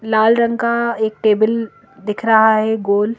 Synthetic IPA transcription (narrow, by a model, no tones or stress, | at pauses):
laːlɾə̃ŋɡkaeːk̚ʈeːbəl | d̪ɪkʰɾɐɦaɦɛɡoːl